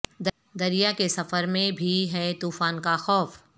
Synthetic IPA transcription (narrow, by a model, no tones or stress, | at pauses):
d̪ | d̪ɐɾijakesɐfəɾmẽbʱiɦɛt̪uːfaːnkaxɔːf